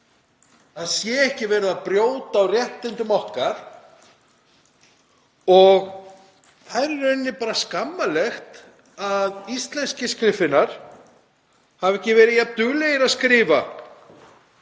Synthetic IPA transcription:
aðsjɛɛhcɪvɛːɾɪðapɾjoːwt̪aːwrjɛht̪ɪnt̪ʏmɔhkaɾ̥ | ɔɣ | θaðɾɛɾœnːɪpaːɾaskamːalɛxt̪ | aðist̪lɛnscɪskɾɪfɪnaɾ̥ | havɛhcɪvɛːɾɪðjat̪ʏlejɪɾaðskɾɪːva

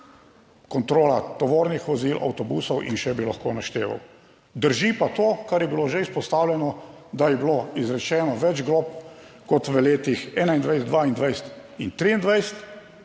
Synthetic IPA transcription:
kɔnt̪ɾoːlat̪ɔʋoːɾnixʋɔzilʔa̰wt̪ɔbuːsɔwʔḭnʃɛbilaxkoːnaʃt̪eːʋa̰w | d̪əɾʒipat̪oːkaɾjɛbiloʒeispɔst̪aːwlʲɛnɔ | d̪ajɛbiloizɾɛt͡ʃɛːnɔʋɛd͡ʒɡloːp̚ | kɔt̪ʋəleːt̪ixɛːnaind̪ʋajsd̪ʋaind̪ʋajst̪int̪ɾiind̪ʋajsət̪

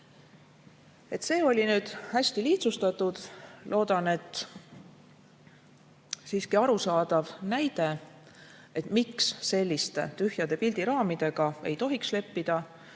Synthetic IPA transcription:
e̞t̪se̞ːo̞lʲinyːd̪̥hæsʲt̪iliːt̪sust̪ɑt̪ːˑud̪̥lʔo̞ːd̪̥ɑne̞t̪ːˑ | siːskiɑɾusɑːd̪̥ɑvnæjd̪̥e̞ | e̞t̪miksːe̞lʲːist̪e̞̰t̪yhjɑd̪̥e̞pild̪̥iɾɑːmid̪̥e̞ɡ̥ɑe̞̰jt̪o̞ɦiksle̞pːid̪̥ɑ

